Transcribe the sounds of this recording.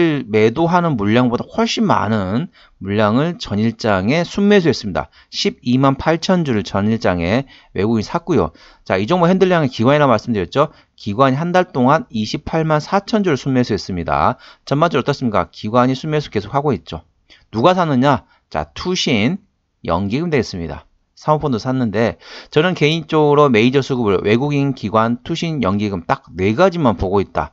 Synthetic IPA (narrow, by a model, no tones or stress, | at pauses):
me̞doɦanɯnmuʎːaŋbodahʌɭɕ͈imma̰nɯn | muʎːaŋɯɭt͡ɕʌɲiɭt͡ɕ͈aŋe̞sʰunme̞sʰoɦes͈ɯmɲida̰ | ɕʰib̚imanpʰaɭt͡ɕʰʌnd͡ʑuɾɯɭt͡ɕʌɲiɭt͡ɕ͈aŋe̞ | we̞ɡuɡinsʰak̚k͈ujo̰ | t͡ɕaid͡ʑʌŋboɦendɯɭːjaŋekiɡwaɲiɾamaɭs͈ɯmndɯɾjʌt̚t͡ɕ͈o | kiɡwaɲiɦandaɭt͈oŋaniɕʰip̚pʰaɭmansʰat͡ɕʰʌnd͡ʑuɾɯɭsʰunme̞sʰoɦe̞s͈ɯmɲida̰t͡ɕʌnmad͡ʑʰɯʌt͈ʌs͈ɯmɲik͈a̰kiɡwaɲisʰunmesʰo̥k͈e̞sʰokʰaɡoit̚t͡ɕ͈o | nuɡasʰanɯɲa | t͡ɕa̰tʰuɕʰin | jʌŋɡiɡɯmde̞ɡes͈ɯmɲida̰ | sʰamopʰondosʰanːɯnde̞t͡ɕʌnɯnke̞int͡ɕ͈oɡɯɾome̞id͡ʑʌsʰuɡɯbɯɭwe̞ɡuɡinkiɡwantʰuɕʰinjʌŋɡiɡɯmt͈ak̚ne̞ɡad͡ʑimanpoɡoit̚t͈a̰